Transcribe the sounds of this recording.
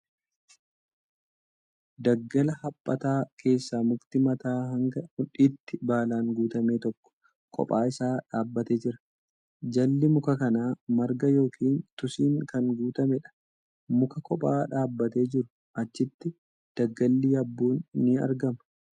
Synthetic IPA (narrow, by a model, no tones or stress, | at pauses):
d̪ɐɡːɐlɐhɐpʼːɐt̪aːkʰe̞ːsːaːmʊkt̪ɪmɐt̪aːɦɐŋɡɐhʊᶑiːt̪ːɪbaːlaːŋɡuːt̪ɐmeːt̪ɔkːɔ̥ | kʼɔ̰pʼaːɪsaːᶑaːbːɐt̪e̞ːd͡ʒɪɾɐ̥ | d͡ʒɐlːɪmʊkɐkɐnaːmɐɾɡɐjo̞ːkʰiːnt̪ʊsiːŋkɐŋɡuːt̪ɐmɛᶑɐ̥ | mʊkɐkʰɔpʼaːᶑaːbːɐt̪e̞ːd͡ʒɪɾʊ | ʔɐt͡ʃːɪt̪ːɪ | d̪̥ɐɡːɐlːiːɐbːoːnːɪɐ̰ɾɡɐmɐ̥